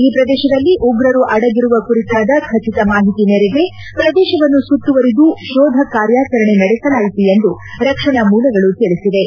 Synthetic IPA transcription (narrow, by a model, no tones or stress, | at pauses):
iːpɾɐd̪ɛːʃɐd̪ɐlːiʔuɡɾɐɾuʔɐɽɐɡiɾuʋɐkuɾit̪aːd̪ɐkʰɐt͡ʃit̪ɐmaːɦit̪ineɾeɡe̞ | pɾɐd̪ɛːʃɐʋɐnːusut̪ːuʋɐɾid̪uʃɔːd̪ʱɐkaːɾjaːt͡ʃɐɾɐɳe̞nɐɽɛsɐlaːjit̪ujend̪uɾɐkʂɐɳɐmuːlɐɡɐɭut̪iɭisid̪e̞